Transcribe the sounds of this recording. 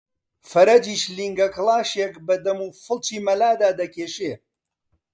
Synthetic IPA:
fɐɾɐd͡ʒiːʃliŋɡɐklˠɑːʃekbɐd̪ɐmuːfɨlˠt͡ʃiːmɐlaːd̪aːd̪ɐkʰeːʃe

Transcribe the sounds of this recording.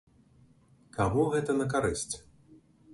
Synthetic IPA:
kaɣɔɣɛt̪ɐnɐk̬aɾɨsʲt͡sʲ

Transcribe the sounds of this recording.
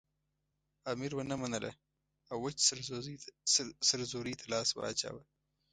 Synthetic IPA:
amiɾwanamanəla̰ | awːat͡ʃs | səɾzoɾit̪ʰalɑːswa̰ɾɑ̰ːt͡ʃa̰wa

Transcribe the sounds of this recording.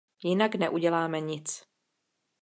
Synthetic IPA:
jɪnaknɛʔuɟɛlaːmɛɲɪt͡s

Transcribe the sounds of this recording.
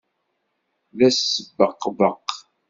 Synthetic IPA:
læsːəbːəqːvəq

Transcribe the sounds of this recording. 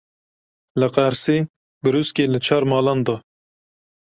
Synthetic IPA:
lɨqæɾsiː | bɨɾuskeːlɨt͡ʃʰɑːɾmɑːlɑnd̪ɑː

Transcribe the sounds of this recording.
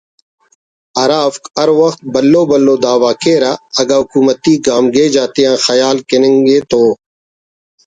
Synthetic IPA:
ɐɾaːfkɐɾwɐxt̪̚bɐlːoːbɐlːoːd̪aːwaːkeːɾaɐɡaːɦʊkuːmət̪iɡaːmɡeːd͡ʒaːt̪eãːxɐjaːlkɪnẽŋɡeːt̪oː

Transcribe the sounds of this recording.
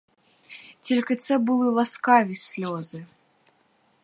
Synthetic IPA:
tʲelʲkɨt̪sɛbɨlˠɨlˠaskavʲisʲlʲɔzɨ

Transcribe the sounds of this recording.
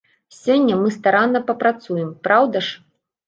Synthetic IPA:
sʲɔnʲːɐmɨst̪aɾanːɐpɐpɾat̪sujɛmpɾawd̪ɐʂ

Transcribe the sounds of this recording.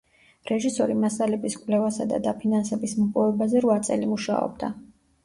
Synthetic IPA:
ɾɛʒisɔɾimasalɛbiskʼvlɛvasad̪a̰d̪apʰinansɛbismɔpʼɔvɛbazɛɾvat̪sʼɛ̰limuʃa̰ɔ̰b̚d̪a

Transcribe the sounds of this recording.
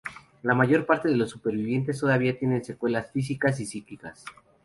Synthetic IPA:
lamaʝo̞ɾpaɾt̪e̞ðe̞lo̞sːupe̞ɾβiβje̞nt̪es̬t̪o̞ðaβiat̪je̞ne̞nse̞kwe̞lasfis̬ikas̬isiklikas

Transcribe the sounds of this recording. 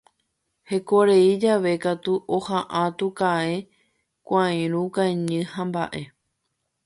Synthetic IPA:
he̞ko̞ɾe̞id͡ʒaʋe̞kat̪uʔohaʔãt̪ukae | kʷãj̃ɾ̃ũkãeɲɨ̃hãmba̰ʔe̞

